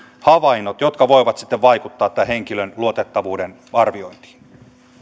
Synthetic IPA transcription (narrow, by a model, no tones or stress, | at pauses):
hɑʋɑinːot̪jot̪kɑʋoiʋɑt̪si̥t̪ːeʋʋɑikut̪ːɑːt̪ːæheŋkilønluot̪et̪ːɑʋuːden | ɑrʋio̞int̪i̥ːn